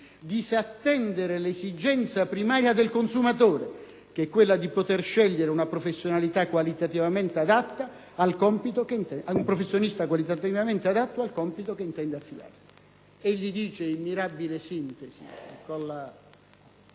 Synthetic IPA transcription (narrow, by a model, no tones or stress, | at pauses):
d̪isat̪ːɛnd̪eɾelesid͡ʒɛnt̪sapɾimaːɾjad̪elkonsumat̪oːɾe | k̟eɛkːwelːad̪ipot̪erʃɛʎːeɾeunapɾofesːjonalit̪akwalit̪at̪ivament̪ead̪at̪ːaː | lkɔmpit̪okenɛaumpɾofesːjonist̪akwalit̪at̪ivament̪ead̪at̪ːoalkɔmpit̪okeint̪ɛnd̪eafːid̪a̰ːɾe | eʎːid̪iːt͡ʃeimːiɾabilesint̪esḭkonːa